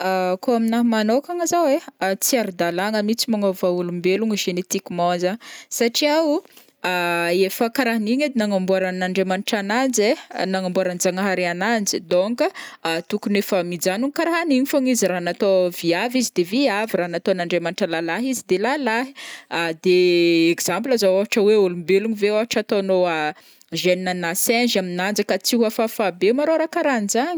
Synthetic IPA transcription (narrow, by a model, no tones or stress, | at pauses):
akoaminaɦmanokaŋazaweat͡siaɾud̪alaŋəmit͡simaŋovaulumbeluŋəʒenet̪ikimozasaʈ͡ʂiau | aefəkaɾaɦaniɲad̪enaŋambuaɾanaɳɖ͡ʐemanuʈ͡ʂanand͡zenaŋambuaɾand͡zaŋaɦaɾeanand͡zid̪oŋkət̪ukunefəmid͡zanuŋikaɾaɦaniɲifoɲiziɾaɦanat̪oviavizid̪eviaviɾaɦanat̪onaɳɖ͡ʐemaniʈ͡ʂəlalaɦizid̪elalaɦi̥ad̪eekz̥ãmplazawavaʈ͡ʂəweulumbeluɲiveaɦaʈ͡ʂat̪onoa | ʒeninənasɛnʒaminand͡zəkat͡siɦafafabemaɾoɾakaɾanzaɲə